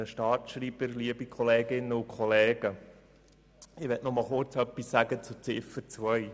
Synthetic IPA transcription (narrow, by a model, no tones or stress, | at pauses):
əʃtɑːtʃɾiːbəɾliəbikʰɔleːɡɪnːəukʰɔleːɡ̥ə | ɪʋɛtnɔmɑlˠχʊrt͡sœpːisːæɡ̥ət͡sut͡sɪfəɾt͡sʋœj